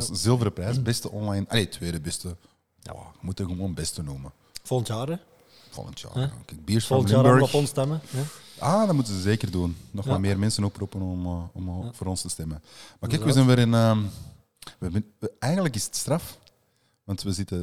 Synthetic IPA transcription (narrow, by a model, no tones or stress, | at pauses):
szɪlˠvəɾəprɛːsbɛstəʔɔnlɑjnɑ̰leːtʋeːdəbɛstə | a̰ɣəmutəɣəmoːnbɛstənuːmə | volˠəntjaːɾə | v̥o̰lə̰ntja̰ːkɛk̚biːɹsfɑlɪmːbøɹkɔɔnstɛməjaːdɑtmutənzəzeːkərdunːɔxmalˠmeːrmɛnsənoprupənɔmːɔmvoːɾɔnstəstɛməmarkɛːkʋəzɛnʋɛɾɪnəː | ʋəmɛːjɣəndləkɪsətstrɑf | ʋɑntʋəzɪtə